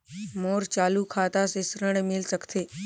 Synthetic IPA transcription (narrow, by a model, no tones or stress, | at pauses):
moːɾt͡ʃaːlukʰat̪asesɾəɳ̃emɪlsəkt̪e